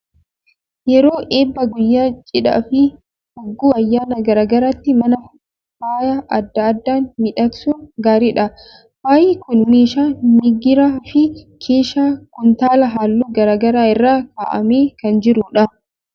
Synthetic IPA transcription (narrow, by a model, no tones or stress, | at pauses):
jɛɾoːʔeːbːɐɡʊjːaːt͡ʃʼɪᶑɐ̰fɪ | hɔɡːuːɐjːaːnɐɡɐɾaːɡɐɾaːt̪ːɪmɐnɐ | baːjaʔɐd̪ːɐːd̪ːaːnmɪᶑɐksuːɡaːɾɪᶑɐ | waːjɪkʊnmeːʃaːmɪɡɪɾaːfɪkʰeːʃaːkʊnt̪aːlɐɦaːlːuːɡɐɾaːɡɐɾaːɪrːaːka̰ːʔɐ̰meːkɐnd͡ʒɪɾʊᶑɐ